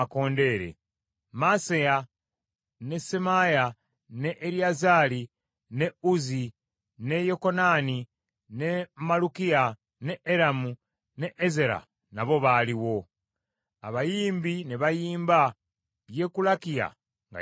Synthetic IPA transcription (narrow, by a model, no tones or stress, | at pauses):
ko̞ːnde̞ːɾe̞̰ | maseja | ne̞semaja | ne̞ʔːɾiazaːli | ne̞uzi | ne̞jo̞ko̞nani | nemalukija | neʔːɾamu | neʔːze̞ɾa̰ | naβo̞βaːliwo̞ | aβajiːmbineβajiːmba | je̞kulakija̰ | ŋɡa̰